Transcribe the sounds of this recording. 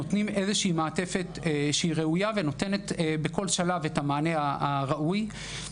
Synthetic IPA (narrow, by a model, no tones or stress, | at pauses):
ot̪nime̞zeʃeimaːte̞fe̞tʃeiʁeujave̞no̞te̞ne̞t̪beko̞lʃalavetamaːne̞aaʁaʔuj